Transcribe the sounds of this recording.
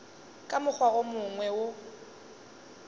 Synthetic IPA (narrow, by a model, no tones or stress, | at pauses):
kʼamʊk͡xwaomʊŋwɛwʊ